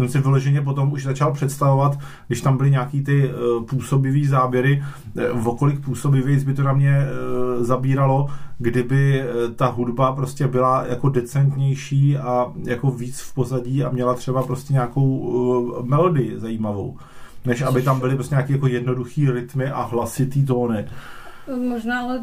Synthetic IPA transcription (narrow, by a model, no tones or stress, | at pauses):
sɛmsɪvɪloʒɛɲɛp̬o̞t̪o̞muʃzat͡ʃalpr̝̥ɛt̪st̪avo̞vat̪ | ɡdɪʃt̪ambɪlɪɲaːkiːt̪ɪpuːso̞bɪviːzaːbjɛɾɪ | vo̞ko̞lɪk̚puːso̞bɪvjɛjt͡sbɪt̪onamɲɛ | zabiːɾalo̞ɡdɪbɪt̪aɦudbapɾo̞scɛbɪlajako̞dɛt͡sɛnt̪ɲɛjʃiːʔajako̞viːt͡sfpo̞zaɟiːamɲɛlat̪r̝̥ɛbapɾo̞scɛɲaːko̞w | mɛlodɪjɪzajiːmavo̞̰w | nɛʃʔabɪt̪ambɪlɪpɾoscɛɲaːkiːjak̬o̞jɛdno̞duxiːɾɪt̪mɪʔaɦlasɪt̪iːt̪̬o̞ːnɪ | moʒnaːalɛ